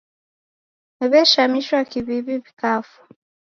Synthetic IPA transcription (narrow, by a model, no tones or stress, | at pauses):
eβeʃamiʃwakiβiβiβikafu̥